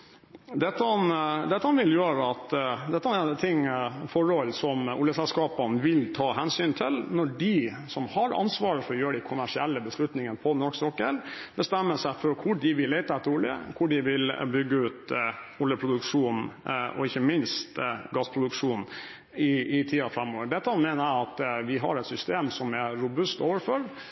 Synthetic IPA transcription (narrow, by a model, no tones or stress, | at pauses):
d̪ɛt̪ːɑɑnd̪ɛt̪ːɑhɑnʋɪljøːɾəɑt̪d̪ɛt̪ːɑɑnɛt̪ʰɪŋfɔɾhɔlsɔmʊljəsɛlskɑːpɑnəʋɪlt̪ʰɑːɦɛnsyːnt̪ʰɪlnɔɖɪ | sɔmhɑɾɑ̰nsʋɑːɾəfɔɾɔjøːəɖæɪkʰʊmæʂɪɛlːəbəslʉt̪nɪŋənəpʰɔnɔʂksɔkːəlbəst̪ɛmːəʂæɪfɔɾkʰʊɖɪʋɪlːeɪt̪ɑɛt̪ːəɾʊljə̰kʰʊɖɪʋɪlbʏɡːəʉːt̪ʊljəpʰɾʊd̪ʉkʂuːnʔɔ̰ɪçːəmɪnst̪ɡɑspʰɾʊd̪ʉkʂuːn | ɪɪt̪ʰiːɑfɾɛmːoːʋəɖɛt̪ːəhɑnmeɪnəɾæɑt̪ʋɪɦɑ̰ɾɛt̪sʏst̪eːmsɔmæɾʊbʉst̪oːʋəɾfɔɾ